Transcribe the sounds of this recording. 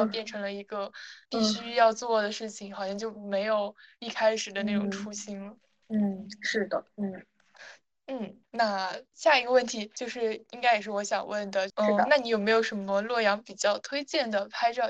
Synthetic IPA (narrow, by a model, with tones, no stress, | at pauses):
pjɛ˥˩nʈ͡ʂʰɤ˧˥ŋlə˧i˧˥ɡə˧pi˥˩ɕy˥jɑ˥˧ʊt͡swɔ˥˩d̪ə˩ʂɻ̩˥˩t͡ɕʰi˩ŋxɑ˨ʊɕjɑ˥˧ŋt͡ɕjo˥˩ʊme˧˥ɪjo˨˩ʊi˥˩kʰa˥ɪʂɻ̩˨˩d̪ə˦na˥˩ʈ͡ʂʊ˨˩ŋʈ͡ʂʰu˥ɕi˥ŋlə˧ | n̩˥˩ʂɻ̩˥˩d̪ə˩n̩˥˩ | n̩˥˩ | na˥˧ɕja˥˩i˧˥ɡə˧wə˥˩nt̪ʰi˧˥t͡ɕjo˥˧ʊʂɻ̩˥˩i˥ŋka˥ɪjɛ˨˩ʂɻ̩˥˩wɔ˧˥ɕjɑ̰˨˩ŋwə˥˩nd̪ə˩˥˩na˥˩ni˧˥jo˨˩ʊme˧˥ɪjo˨˧˩ʊʂə˧˥nmə˧lwɔ˥˩jɑ˧˥ŋpi˨˩t͡ɕjɑ˥˩ʊt̪ʰwe˥ɪt͡ɕjɛ˥˩nd̪ə˩pʰa˥ɪʈ͡ʂɑ˥˩